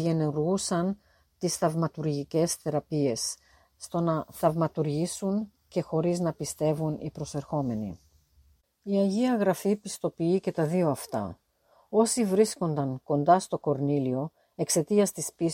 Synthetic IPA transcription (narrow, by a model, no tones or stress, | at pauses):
ʝeneuɾɣusɐn | t̪isθɐvmɐt̪uɾʝice̞sθe̞ɾɐpie̞sː | t̪o̞nɐθɐvmɐt̪uɾʝisun | ce̞xo̞ɾiznɐpist̪e̞vunḭpɾo̞se̞ɾxo̞me̞nḭ | iɐʝiɐɣɾɐfipist̪o̞piice̞t̪ɐðio̞ɐft̪ɐ̰ | o̞sivɾisko̞nd̪ɐŋko̞nd̪ɐst̪o̞ko̞ɾnilio̞ | e̞kse̞t̪iɐst̪ispis